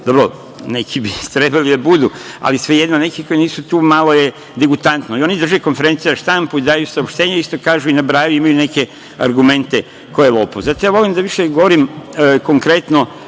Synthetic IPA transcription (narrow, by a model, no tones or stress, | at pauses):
d̪obɾo | ne̞kʰibit̪ɾe̞balid̪abud̪ua̰lisʋe̞jed̪nonekiko̞iniːsut̪uːmalo̞je̞ | d̪eɡut̪ant̪noio̞nid̪r̩ʒeko̞nfe̞ɾe̞nsijaʃt̪ampuid̪aːjusaopʃt̪e̞ːɲeist̪o̞kaːʒuinabɾaːjuimajune̞ke̞ | a̰ɾɡume̞nt̪e | kojelˠoːpozat̪o̞jaːʋo̞limd̪aʋiʃeɡoʋoɾimko̞ŋkɾe̞t̪no̞